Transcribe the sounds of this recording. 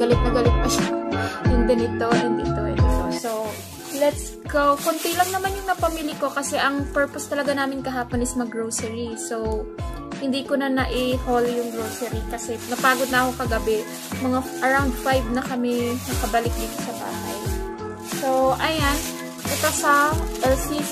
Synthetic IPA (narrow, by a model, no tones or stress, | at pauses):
ɡɐlɪt̪̚nɐɡɐlɪt̪̚pɐʃajʊŋd̪ɛnɪt̪o̞hɪnd̪ḭʔt̪oʔɛ̰nt̪osow | lɛt̪s | ɡowkʊnt̪ilɐŋnɐmanjʊŋnɐpɐmiːljɐko̞kɐsɛʔɐŋpɛɹpost̪ɐlɐɡanaːmɪnkɐɦaːponɪsmɐaɡɹowsɛɹisow | hɪnd̪iːkonɐnɐʔɪholjʊŋɡɹowsɛɾikɐsɛnɐpaːɡod̪nɐʔɐkokɐɡɐbɛ | mɐŋaʔɐɹawnd̪̚fajb̚nɐkɐmɛnɐkɐbɐlɪk̚d̪iːt̪osɐba̰ːɦɐj | sowʔɐjan | kɐt̪osɐʔɛlsi